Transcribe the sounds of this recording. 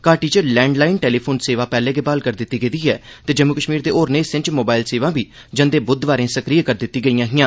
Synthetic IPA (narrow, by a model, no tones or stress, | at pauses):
kaːʈiːt͡ʃlɛ̃ːɳɖlaːɪnʈeːliːpʰoːnseːʋãːpɛːlẽːɡeːbaːlkəɾd̪ɪt̪ːiːɡəd̪iːɦɛ̰ːt̪eːd͡ʒəmːuːkəʃmiːɾd̪eːʔoːɾneːɪsɪ̃nt͡ʃmoːbaːɪlseːʋãːbiː | d͡ʒənd̪eːbʊd̪ʋaːɾẽːsəkɾiːəkəɾd̪ɪt̪ːiːɡəijãːɦɪjãː